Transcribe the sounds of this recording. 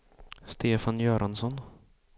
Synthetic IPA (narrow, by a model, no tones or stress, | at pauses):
st̪ʰeːfanjœːɾʔansɔn